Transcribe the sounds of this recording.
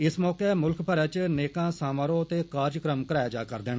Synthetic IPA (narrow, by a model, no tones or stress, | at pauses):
ɪsmɔːkemʊlkpʰəɾɛːt͡ʃneːkãːsaːmaːɾoːət̪eːkaːɾjəkɾəmkəɾaːjaːd͡ʒa̰ːkəɾd̪eːnː